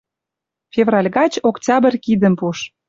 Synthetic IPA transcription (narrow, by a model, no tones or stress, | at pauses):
fʲevrɑlʲɣɑt͡ɕoktʲɑbə̆rkid̪ə̆mpuʃ